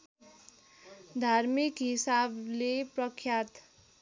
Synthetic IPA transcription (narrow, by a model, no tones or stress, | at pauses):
d̪ʱarmikɦisableprʌkʰjat̪